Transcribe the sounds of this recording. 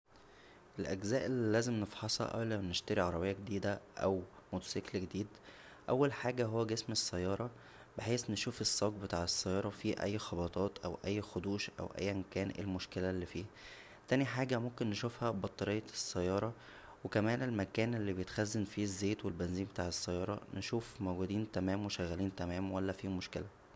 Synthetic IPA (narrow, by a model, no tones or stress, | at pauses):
ʔelʔæɡzæːʔelːilːæːzemnefħɑsˤhɑ̰ʔæ̰wlæmneʃt̪æɾiʕɑɾˤɑbejːæɡed̪iːd̪æʔæwmut̪seːklɡed̪iːd̪ | ʔæwːælħaːɡæɦowːæɡesmesːæjːɑːɾˤɑ | beħeːsneʃuːfesˤːɑːɡ̚bet̪aːʕesːæjːɑːɾˤɑfiːʔæ̰jːxɑbɑt̪ˤɑːt̪ʔæ̰wʔæ̰jːxod̪uːʃʔæ̰wʔæ̰jːʔemkæːnʔḛlmoʃkelælːifiː | t̪æːniħaːɡæmomkenːeʃufhæbɑt̪ˤːɑɾejːɑsːæjːɑːɾˤɑ | wekæmæːnʔelmækæːnʔelːibejet̪xæzːenfiːzːeːt̪welbenziːnbet̪aːʕesːæjːɑːɾˤɑneʃuːfmowɡuːd̪iːnt̪æmæːmweʃæɣːæliːnt̪æmæːmwælːæfiːmoʃkelæ